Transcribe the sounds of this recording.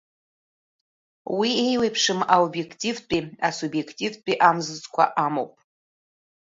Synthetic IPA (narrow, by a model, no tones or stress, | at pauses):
wiejwejpʰʂɨmaobjekʰtʲʼivt͡pʷʼiasubjekʰtʼivpʼiʔamzɨzʼkʷʰa̰ʔamo̰wpʼ